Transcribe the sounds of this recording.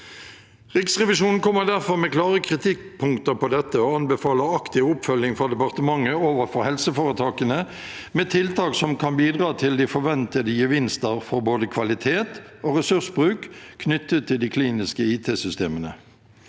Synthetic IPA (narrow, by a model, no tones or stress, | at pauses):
ʁɪksʁɛʋɪʃuːnn̩kʰɔmːəʁd̪æʁfɔʁmɛːklɑːʁəkʰʁɪt̪ʰɪkpʰʊŋkt̪əʁpɔd̪ɛt̪ːəoːɑnbəfɑːləɑkt̪ɪʋʊpfœljɪŋfɔd̪ɛpɑʁt̪əmɑŋːəoːʋəfɔʁhɛlsəfoːʁət̪ʰɑːkənə | meːt̪ʰɪlt̪ʰɑːksɔmkʰɑnbiːd̪ʁɑːt̪ʰɪld̪iːfɔʁʋɛnt̪əd̪əjəʋɪnst̪əʁfɔʁboːd̪əkʰʋɑlɪt̪ʰeːt̪oːʁɛsʉʁsbʁʉːkkʰnʏt̪ːət̪ʰːɪld̪iːkʰliːnɪskəiːt̪ʰeːsʏst̪eːmənə